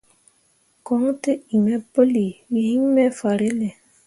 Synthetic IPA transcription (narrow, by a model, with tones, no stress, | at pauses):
kɔ˨˦ŋ˦te˦i˨mɛ˦po˦li˨wi˨hi˦ŋ˦mɛ˦fa˨ɾe˦le˨